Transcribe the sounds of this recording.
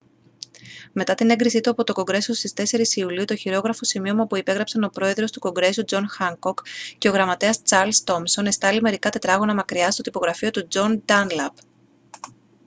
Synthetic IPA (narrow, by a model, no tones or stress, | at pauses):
me̞t̪ɐt̪ine̞ŋɡɾisit̪uɐpo̞t̪o̞ko̞ŋɡɾe̞sost̪ist̪e̞se̞ɾisiuliut̪o̞çiɾo̞ɣɾɐfo̞simio̞muɐpuipe̞ɣɾɐpsɐno̞pɾo̞e̞ðɾo̞st̪uko̞ŋɡɾe̞sud͡zo̞nxɐŋko̞kce̞o̞ɣɾɐmɐt̪e̞ɐst͡sɐɾlst̪o̞mso̞ne̞st̪ɐlime̞ɾikɐt̪e̞t̪ɾɐɣo̞nɐmɐkɾiɐst̪ot̪ipo̞ɣɾɐfio̞t̪ud͡zo̞nd̪ɐnlɐp